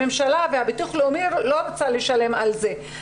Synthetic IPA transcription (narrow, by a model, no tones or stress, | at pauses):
emʃalavehabituχleumiɾolo̞ɾot͡sale̞ʃale̞malze̞